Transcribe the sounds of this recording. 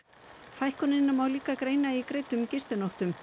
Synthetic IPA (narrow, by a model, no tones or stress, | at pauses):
fajhkɔnɪnːamawliːkakɾeːjnaikɾeːjt̪ʏmcɪst̪ɪnowht̪ʏm